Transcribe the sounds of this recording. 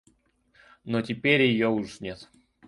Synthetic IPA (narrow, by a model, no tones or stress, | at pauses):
notʲɪpʲeɾʲjɪjoʊʂnʲet̪